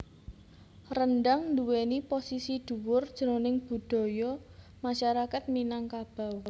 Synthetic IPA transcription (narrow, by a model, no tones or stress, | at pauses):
rənɖaŋnduweniposisid̪̥ṳwʊrd̥ʒ̥əɾonɪŋb̥ṳd̪̥ɔ̤jɔ | maʃaɾakat̪̚minaŋkab̥a̤w